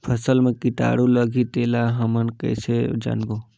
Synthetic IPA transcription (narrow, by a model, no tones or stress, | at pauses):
pʰəsəlmẽkit̪a̰ːɽuləɡʱit̪eːlaɦɐmənkə̰jsed͡ʒa̰nbo